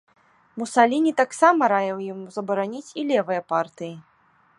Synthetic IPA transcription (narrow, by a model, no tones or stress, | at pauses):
musalʲinʲit̪aksamɐɾajɛwjimuzɐbɐɾanʲit͡sʲilʲɛvɨjɐpart̪ɨji